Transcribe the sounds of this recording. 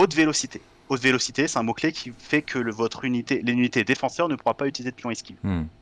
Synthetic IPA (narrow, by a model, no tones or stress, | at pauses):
ot̪velosit̪ʰe | ot̪velɔsit̪esɛ̥t̪ɛ̃moklekʲʰifɛkʰələvɔt̪χynit̪elinynit̪ed̪efɑ̃sœʁn̪əpuʁapayt̪ilized̪əpʰʲjɔ̃iskʲi